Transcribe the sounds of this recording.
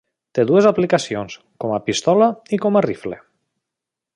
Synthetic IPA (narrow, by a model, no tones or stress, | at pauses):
t̪eðuezaplikasions | kɔmapist̪ɔlaikɔmarifle